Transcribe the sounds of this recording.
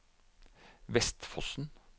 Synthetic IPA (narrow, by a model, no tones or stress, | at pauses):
ʋɛst̪fɔsn̩